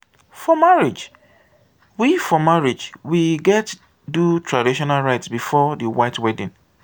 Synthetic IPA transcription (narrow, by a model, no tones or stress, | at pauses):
fɔmaɹid͡ʒ | wifɔmaɹid͡ʒwiɡɛt | dutʰɹadiʃɔnalɹaɪtsbifɔdiwaɪtwɛdĩn